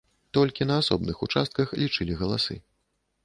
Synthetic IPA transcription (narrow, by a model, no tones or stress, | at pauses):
t̪ɔlʲkʲinɐasɔ̰bnɨxut͡ʂa̰st̪̚kɐxlʲit͡ʂɨlʲiɣɐlˠasɨ̰